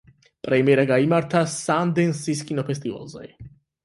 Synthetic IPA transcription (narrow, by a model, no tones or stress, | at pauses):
pʼɾɛmiɛɾaɡaimaɾt̪ʰasand̪ɛnsis̬kʼinɔpʰɛst̪ʼiva̰lza̰j